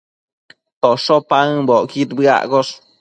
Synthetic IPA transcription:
t̪oʂopaŋbokit̪bɡa̰ʔɡoʂ

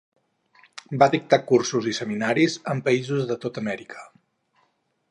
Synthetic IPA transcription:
bad̪ik̚t̪akursuzisəminaɾizəmpəizuzðət̪ot̪əmɛɾikʰə̥

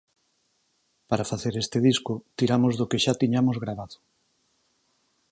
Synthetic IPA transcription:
paɾafaθeɾest̪eðiskʊt̪iɾamozðokeʃat̪iɲamozɣɾaβaðʊ̥

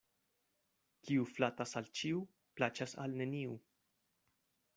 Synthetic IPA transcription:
kiuflatasalt͡ʃiu | plat͡ʃasa̰lne̞niu

